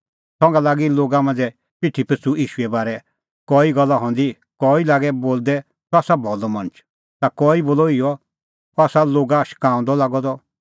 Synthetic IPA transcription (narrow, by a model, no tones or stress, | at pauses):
sɔ̃ŋɡalaːɡiloːɡamãnd͡zɛ | pɪʈʰːipət͡suiːʃuɛbaːɾɛ | kɔːiɡɔlːaɦɔ̃ːnd̪i | kɔilaːɡɛboːld̪ɛ | sɔaːsabʱɔlɔmɐ̃nt͡ʃʰ | t̪akɔːiboːlɔijɔ | ɔaːsaloːɡaʃkãːɔ̃nd̪ɔlaːɡɔd̪ɔ